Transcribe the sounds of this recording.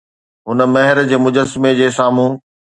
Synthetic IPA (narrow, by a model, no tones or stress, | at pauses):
ɦʊnə̆mɐɦɪɾd͡ʑeːmʊd͡ʑəsmed͡ʑeːsaːmũː